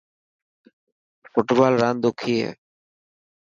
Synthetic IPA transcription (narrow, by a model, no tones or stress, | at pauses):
fʊʈbaːlɾand̪ukʰiḛ